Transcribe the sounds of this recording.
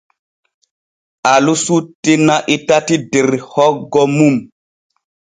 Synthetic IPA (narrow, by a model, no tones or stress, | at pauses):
alusutːinaʔitatideɾhɔɡɔmum